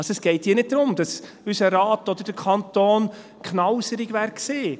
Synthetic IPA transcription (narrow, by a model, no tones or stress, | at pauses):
ɑsoɛsɡ̥ɛɪt̚hiːnɪt̚d̥̪ɾʊmd̥ɑs | ysəɾɑːtɔd̪əɾd̥əɾkʰɑnt̪oːn | kχnɑwsəɾɪɡʋæːɾkseː